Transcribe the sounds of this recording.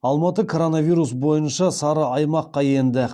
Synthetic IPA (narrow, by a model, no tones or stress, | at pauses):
ɑlˠmɑt̪əkʰo̞ɾo̞navʲijɾusbo̞jənʃɑsɑɾəɑjmɑqːɑje̞nd̪ɪ